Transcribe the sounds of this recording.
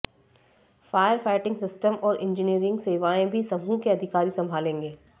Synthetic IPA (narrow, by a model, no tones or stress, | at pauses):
faːjəɾfaːɪʈɪ̃ŋɡsɪsʈəmɔːɾʔɪ̃nd͡ʒɪniːəɾɪ̃ŋɡseːʋaːẽbʱisɐbʱũkeɐd̪ʱɪkaːɾisɐ̃mbʱaːlẽːŋɡeː